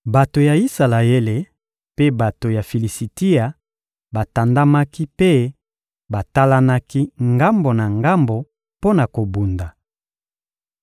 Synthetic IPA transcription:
ba˨to˨ja˨i˦sa˨la˨e˦le˨ | pe˦ba˨to˨ja˨fi˨li˨si˨ti˦a˨ | ba˨ta˨nda˦ma˦ki˦pe˦ | ba˨ta˦la˦na˦ki˦ŋɡa˦mbo˨na˨ŋɡa˦mbo˨ | po˦na˨ko˨bu˨nda˨

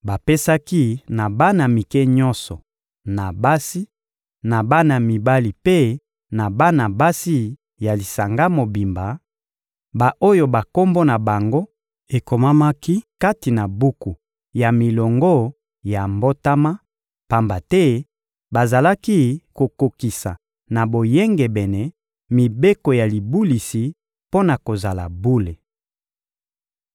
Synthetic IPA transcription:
ba˨pe˦sa˦ki˦na˨ba˦na˨mi˨kɛ˦ɲɔ˦nsɔ˨ | na˨ba˦si˦ | na˨ba˦na˨mi˨ba˦li˨pe˦ | na˨ba˦na˨ba˦si˦ | ja˨li˨sa˨ŋɡa˦mo˨bi˨mba˨ | ba˨ʔo˦jo˨ba˨ko˦mbo˦na˨ba˨ŋɡo˦ | e˨ko˨ma˦ma˦ki˦ka˦ti˨na˨bu˦ku˨ | ja˨mi˨lɔ˨ŋɡo˦ | ja˨mbo˦ta˦ma˦ | pa˨mba˨tɛ˦ | ba˨za˨la˦ki˦ko˨ko˨ki˨sa̰˨ | na˨bo˨jɛ˦ŋɡɛ˨bɛ˨nɛ˨ | mi˨be˦ko˨ja˨li˨bu˦li˨si˨ | po˦na˨ko˨za˨la̰˨bu˦le˨

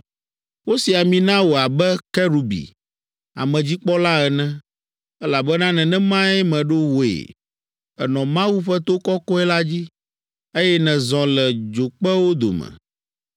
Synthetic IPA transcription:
wo˦si˨a˨mĩ˨nã˦wo˨a˨bɛ˦kɛ˦ɾu˨bḭ˨ | a̰˨mɛ̃˨d͡ʑi˦k͡pɔ˦la˦ɛ˨nɛ̃˦ | ɛ˦la˨bɛ˦nã˦nɛ̃˨nɛ̃˦mã˦ɛ˦mɛ̃˨ɖo˦wo˨ḛ˨ | ɛ˨nɔ̃˨mã˦wu˦ɸɛ˦t̪o˦kɔ˦kɔ˦ɛ˦la˦d͡ʑi˦ | e˦jɛ˦nɛ̃˨zɔ̃˨lɛ˨d͡ʒo˨k͡pɛ˦wo˦d̪o̰˨mɛ̰̃˨

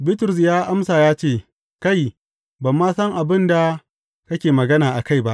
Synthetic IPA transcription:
bɪ˦tʊ˨ɾʊ˨s̬jaː˦ʔa˦msaː˨jaː˦t͡ʃeː˦˨ | ka˦˨j | bɐ˨mːaː˦sɐ˦ŋʔa˨bɪ˦nda˨ | kɐ˦kʲeː˨mɐ˨ɡɐ˦naː˨ʔa˨ka˦jba˦ʔ

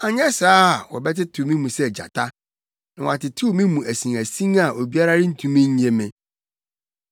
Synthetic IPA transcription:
a˨ɲɛ̃˦saː˦˨wɔ̰˨bɛ˦tɪ˦tʰu˨mĩ˦mũ˨sɛ˦˨d͡ʑa̰˨tʰa˦ | nɪ̃˨wã˨tɪ˨tʰu˦mĩ˦mũ˨ʔæ˨sĩ˨ŋæ˨sĩ˦ŋa˨ʔo˨bi˦a˦ɾa˦ɾɪ˦n̩˦tʰũ˦mĩ˦ɲ̩˦ẽ˨mɪ̃˨

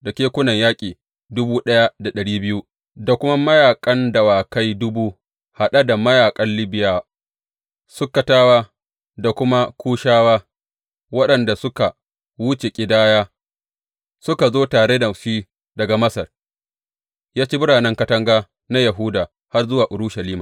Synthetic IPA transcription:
da˨kʲeː˦kʷʊ˦nɐ˨ɲjaː˦kʲʼiː˨ | dʊ˦buː˦ɗɐ˦ja˦da˨ɗɐ˨ɽiː˦bɪ˦ju˦ | da˨kʷʊ˦ma˦mɐ˦jaː˨kʼɐ˦ndɐ˨waː˨ka˦jdʊ˦buː˦ | ha˨ɗa˦da˨mɐ˦jaː˨kʼɐ˦nlɪ˦bɪ˦jaː˦ | sʊ˦kːɐ˨taː˦waː˦ | da˨kʷʊ˦ma˦kʷʰuː˦ʃaː˦waː˦ | wɐ˦ɗɐ˨nda˨sʊ˦ka˨ | wʊ˦t͡ʃe˨kʲʼɪ˨daː˦jaː˦ | sʊ˦ka˨zoː˦taː˨ɽe˦dɐ˨ɸiː˦ | dɐ˨ɡa˨mɐ˦sɐ˨r | jaː˦t͡ʃeː˦bʊ˦ɽaː˨nɛ˦ŋkɐ˦tɐ˦ŋɡaː˦ | na˦ja˨ɦuː˦daː˨ | ha˦rzʊ˦waː˨ʔʊ˨ɽʊ˦ʃɐ˨liː˦maː˨

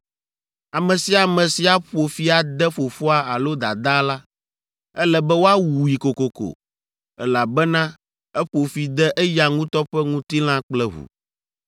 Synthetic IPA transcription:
a˨mɛ̃˨si˨a˨mɛ̃˨si˨a˨ɸo˨fi˦a˨d̪ɛ˦ɸo˨fo˦a˦a˨lo˦d̪a̰˨d̪a˦la˦ | ɛ˦lɛ˨bɛ˦wo˦a˦wu˨ji˨ko˨ko˨ko̰˨ | ɛ˦la˨bɛ˦nã˦ | ɛ˦ɸo˨fi˨d̪ɛ˦ʔɛ˦ja˨ŋũ˦t̪ɔ˦ɸɛ˦ŋũ˦t̪i˦l̃ã˦k͡plɛ˦ɦṵ˨

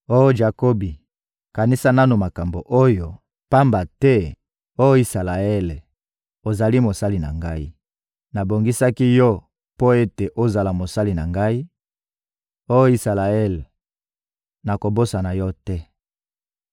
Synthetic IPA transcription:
o˦jo˦ʒa˨ko˦bi˨ | ka˨ni˦sa˦na˦nu˨ma˨ka˨mbo˨ʔo˦jo˨ | pa˦mba˨tɛ˦ | o˦jo˦i˨sa˨la˨ɛ˦l | o˨za˨li˦mo˨sa˦li˨na̰˨ŋɡa˦i˦ | na˨bo˨ŋɡi˦sa˦ki˦jɔ˦ | po˦e˦te˨ʔo˦za˨la˨mo˨sa˦li˨na˨ŋɡa˦i˦ | o˦jo˦i˨sa˨la˨ɛ˦l | na˨ko˨bo˦sa˨na˨jɔ˦tɛ˦

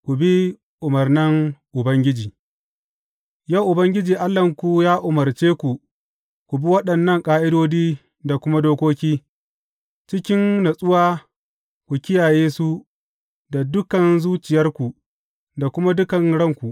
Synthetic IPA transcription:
kʷu˨bi˦ | ʔʊ˨mɐ˨rnɪ˦ŋʔʊ˨bɐ˦ŋɡʲɪ˦d͡ʒiː˨ | jɐ˦˨ʔʊ˨bɐ˦ŋɡʲɪ˦d͡ʒiː˨ʔa˦lːɐ˨ŋkʷu˦jaː˦ʔʊ˨mɐ˨rt͡ʃeː˦kʷu˨ | kʷu˨bi˦wɐ˦ɗɐ˨nːɐ˦ŋkʼaː˦ʔɪ˦doː˦diː˦ | da˨kʷʊ˦ma˦doː˦kʷoː˦kʲiː˦ | t͡ʃɪ˦kʲɪ˦ŋna˨sʼʊ˦waː˦ | kʷu˨kʲɪ˦jaː˨jeː˦su˦ | da˨dʊ˦kɐ˨nzuː˦t͡ʃɪ˨jɐ˦rkʷu˨ | da˨kʷʊ˦ma˦dʊ˦kɐ˨ŋɽɐ˦˨ŋkʷu˨ʔ

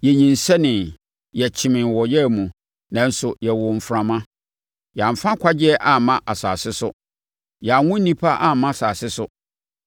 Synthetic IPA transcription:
jɛ˨ɲĩ˨n˨sɛ˦nɪ̃˨n | jɛ˨t͡ɕʰɪ̃˨mɪ̃˨wɔ˨jɛ˦˨mũ˨ | nã˨n̩˦sʊ˨jɛ˨wʊ˨m̩˨fɾã˨mã˦ | jɛ˨a˨m̩˨fã˦kʷʰa˦d͡ʑɪ˦ɛ˦ʔa˨mã˦ʔa˨sa̰ː˨sɪ˦sʊ̰˦ | jɛ˨a˨ŋʊ̃˦n̩˦nĩ˦pʰa˦ʔa˦mːã˦˨saː˨sɪ˦sʊ˦

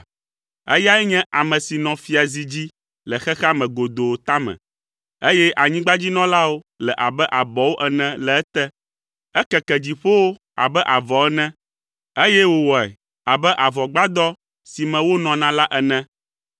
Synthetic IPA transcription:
ɛ̰˦ja˦ɛ˦ɲɛ̃˦ʔa˨mɛ̃˨si˨nɔ̃˨fi˦a˨zi˨d͡ʑi˦ | lɛ˨xɛ˦xa˦mɛ̃˨ɡo˨d̪o˨o˨t̪a˦mɛ̰̃˨ | e˦jɛ˦ʔa˨ɲĩ˦ɡ͡ba˦d͡ʑi˦nɔ̃˦la˦wo˦ | lɛ˨ʔa˨bɛ˦ʔa˨bɔ˨wo˦ʔɛ˨nɛ̃˨lɛ˨ɛ˦t̪ɛ˦ | ɛ˦kɛ˨kɛ˨d͡ʑi˨ɸo˦wo˦ | a̰˨bɛ˦ʔa˨vɔ˨ɛ˦nɛ̃˦ | e˦jɛ˦wo˨wɔ˨ɛ̰˨ | a˨bɛ˦ʔa˨vɔ˨ɡ͡ba˦d̪ɔ˦ | si˨mɛ̃˨wo˦nɔ̃˨nã˦la˦ʔɛ˨nɛ̃˦

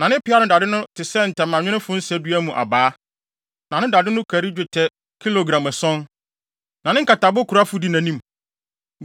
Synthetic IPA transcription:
nã˨nɪ̃˦pɪ˦a˦nʊ̃˦da˨dɪ˦nʊ̃˦tʰɪ˨sɛ˦n̩˨tɛ˨mːã˨ɲᶣɪ̃˦nɪ̃˦fʊ̃˦n̩˦sɛ˦dɥæ˦mũ˨ʔa̰˨baː˨˦ | nã˨nɪ̃˦da˨dɪ̃˦nʊ̃˦kʰæ˨ɾi˦d͡ʑᶣʊ˨tʰɛ˦ | kʰi˦lo˨ɡɾã˨mɛ˨sɔ̃˦n | nã˨nɪ̃˦ŋ˦ka˨ta˨bʊ˦kʰu˨ɾa˦fʊ˦di˦nã˨nĩ˦m

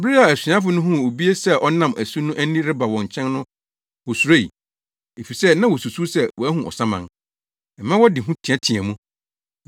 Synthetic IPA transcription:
bi˦a˨æ˨sĩ˨ã˦fʊ˨˦nʊ̃˦ɦũ˦o˨bi˦e˦sɛ˦ʔɔ˦nã˦˨mæ˨su˦nʊ̃˦ʔæ˦nĩ˦ɾɪ˦ba˨wɔ̃˨ɲ̩˨t͡ɕʰɛ̃˦nnʊ̃˦ | wɔ˨su˨ɾa˦ḭ˨ | e˨fi˨sɛ˦nã˦wɔ˨su˨su˦sɛ˦wɔ˨æ˦ɦũ˨ʔɔ̰˨sã˦mã̰˨n | ɛ˨mã˦wɔ˦dɪ˨ɦũ˦tʰĩ˨a˦tʰĩ˨ɛ˨mũ˦

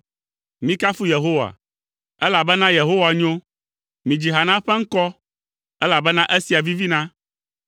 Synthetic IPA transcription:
mĩ˦ka˦fu˦je˨ɦo˦wa̰˨ | ɛ˦la˨bɛ˦nã˦je˨ɦo˦wa˨ɲõ˦ | mĩ˨d͡ʑi˨ɦa˨nã˦ɸɛ˦ŋ̩˦kɔ˦ | ɛ˦la˨bɛ˦nã˦ʔɛ˦si˨a˨vi˦vi˦nã˦

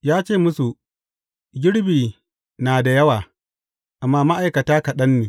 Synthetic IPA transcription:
jaː˦t͡ʃeː˦˨mʊ˦su˨ | ɡʲɪ˦ɽbiː˨ | naː˨da˨jɐ˦waː˨ | ʔa˨mːaː˦ma˦ʔa˨jkɐ˨taː˦kɐ˨ɗɐ˦nːeː˨

